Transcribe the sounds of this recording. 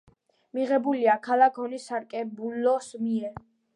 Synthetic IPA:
miʁɛbuliakʰalakʰɔnisaɾkʼɛbulɔsmiɛ

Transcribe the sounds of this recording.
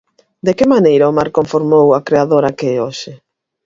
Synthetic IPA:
d̪ekemanejɾaʊmaɾkoɱfoɾmowakɾeaðoɾakeoʃɪ

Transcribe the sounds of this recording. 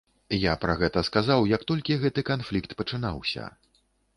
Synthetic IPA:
japɾɐɣɛt̪ɐskazawjɐkt̪ɔlʲkʲiɣɛt̪ɨkanflʲikt̪pɐt͡ʂɨna̰wsʲɐ̰

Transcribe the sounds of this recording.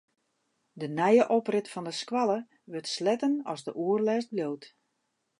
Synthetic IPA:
dənɛjəʔɔprɪtfɔndəskwalˠə | ʋətslɛtənɔ̰zdəʔuərlɛːs̚bljowt

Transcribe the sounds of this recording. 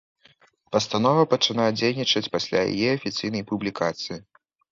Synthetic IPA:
pɐst̪an̪ɔvɐpɐt͡ʂɨnajɐd͡zʲejnʲit͡ʂɐt͡sʲpasʲlʲa̰ja̰jɛɐfʲit̪sɨjnɐjpublʲikat̪sɨji

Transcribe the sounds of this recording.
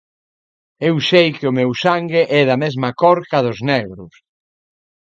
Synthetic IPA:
ewsejkɪʊmewsaŋɡɪʔɛðɐmezmɐkɔɾkɐðʊzneɣɾʊs

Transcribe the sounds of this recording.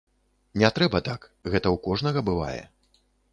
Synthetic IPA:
nʲɛt̪ɾɛbɐt̪akɣɛt̪ɐwkɔʐnɐɣɐbɨva̰jɛ̰

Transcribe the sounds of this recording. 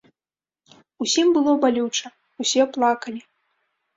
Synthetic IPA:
usʲimbɨlˠɔbalʲut͡ʂɐ | usʲɛplˠakɐlʲi

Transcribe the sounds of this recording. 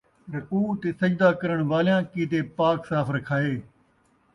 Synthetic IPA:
ɾɐkuːt̪eːsɐd͡ʒd̪aːkəɾəɳ̃ʋaːljãːkiːt̪eːpaːksaːfɾɐkʰaːeː

